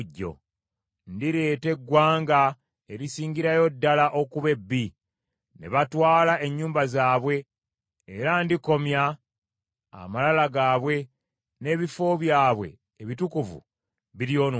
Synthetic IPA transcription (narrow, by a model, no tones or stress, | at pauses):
ɟːo̞̰ | ndiɾe̞ːte̞ɡːwaːŋɡa | e̞ɾisiːɲɟiɾajo̞dːalaʔo̞kuβe̞bːi | ne̞̰βatwaːlaʔe̞ɲːuːmbazaːβwe̞ː | ɾandiko̞mja | malalaɡaːβwe̞ | ne̞ːβifo̞βjaːβwe̞̰ː | βitukuvṵ | βiɾjo̞ːn